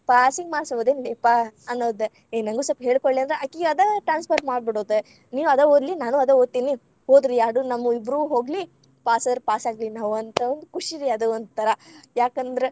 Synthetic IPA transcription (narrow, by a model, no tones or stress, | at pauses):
paːsiŋɡmaːɽsɐʋɐd̪eːnleːpɐɐnːoːd̪e | enɐŋɡuːsɐpɦe̞ːɭkoɭliɐnd̪ɾeʔɐkːiɡad̪ɐʈɾaːnspʰɐɾmaːɖbiɽoːd̪e | niːʋɐd̪ɐɦoːd̪linaːnuɐd̪ɐɦoːd̪̚t̪ːiːni | ɦoːd̪ɾijaːɽunɐmːuibɾuɦo̞ːɡli | paːsɐd̪ɾepaːsaːɡlinaːʋuɐnt̪ɐond̪ukuʂiɾiɐd̪uond̪̚t̪ʰɐɾɐjaːkɐnd̪ɐɾe